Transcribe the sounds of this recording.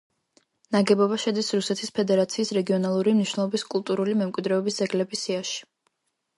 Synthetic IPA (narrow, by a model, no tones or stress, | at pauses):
naɡɛbɔbaʃɛd̪isɾusɛt̪ʰispʰɛd̪ɛɾat̪sʰiːsɾɛɡiɔnalˠuɾimniʃnɛlˠɔbiskʼulˠt̪ʼuɾulimɛmkʼwid̪ɾɛɔbisd̪zɛɡlɛbisiaʃi̥